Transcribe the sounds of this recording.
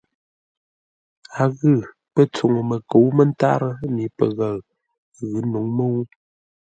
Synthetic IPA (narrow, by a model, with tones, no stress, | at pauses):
a˨ɣɨ˦˨ | pə˦t͡so˨ŋə˨mə˨ko˨˦wmə˦n˦ta̰˦ɾə˦mi˨˦pə̰˨ɣə˨l | ɣɨ˨˦nu˨˦ŋmə˦wu˦